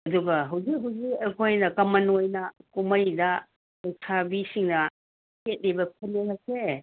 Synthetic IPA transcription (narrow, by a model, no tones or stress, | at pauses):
ɐduɡɐɦɐwzik̚ɦɐwzikɐkʰojnɐkɐmɐnojnɐkumɐjdɐ | ejsʰabisiŋnɐ | ket̚libɐpʰɐlenɐk̚se